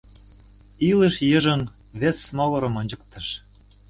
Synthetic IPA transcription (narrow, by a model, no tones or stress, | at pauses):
ilə̆ʃjɤ̆ʒɤ̆n | βĕsːmɑlɤ̆ɾɤ̆mɤnʲd͡ʑɤ̆k̚t̪ɤ̆ʃ